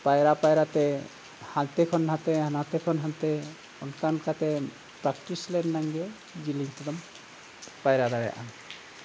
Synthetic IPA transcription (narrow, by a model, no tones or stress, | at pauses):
pajɾapajɾat̪ɛ | hant̪ɛkʰɔnɦãt̪ɛhanat̪ɛkʰɔnɦãnt̪ɛ | ɔnkankat̪ɛ | pɾakʈislɛnːaŋɡɛ | d͡ʒiliŋt̪ɔd̪ɔm | pajɾad̪aɾɛ̰ʔa̰n